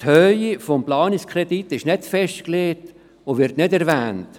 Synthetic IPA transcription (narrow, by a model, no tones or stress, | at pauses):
thœjifɔmplɑːniskʰɾɛditːɪʃnɪtfɛʃtkleːt | oʋɪɾtnɪdɛɾʋæːnt